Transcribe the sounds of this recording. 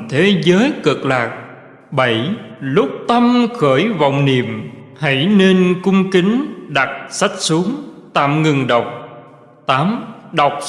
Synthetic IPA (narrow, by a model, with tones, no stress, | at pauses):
t̪ʰe˨˦zəː˨˦jkɨ˨˩k̚laː˨˩k̚ | ɓə˧˩jlʊ˦˥k͡p̚t̪ə˧mxəː˧˩jva̰˧˨wŋ͡mni˨əm | ha̰˧˩jne˧nkʊ˧ŋ͡mkï˨˦ŋ̟ɗa˨˩t̚sa˦˥k̚su˨˦əŋt̪a̰ː˧˨mŋɨ˨˩ŋɗə˨˩wk͡p̚ | t̪aː˨˦mɗa˨˩wk͡p̚